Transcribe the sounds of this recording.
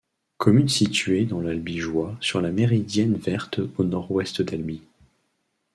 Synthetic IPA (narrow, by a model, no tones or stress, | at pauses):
kʰɔmynsit̪ɥed̪ɑ̃lalbiʒwasyʁlameʁid̪jɛnvɛʁt̪onɔʁwɛst̪d̪albi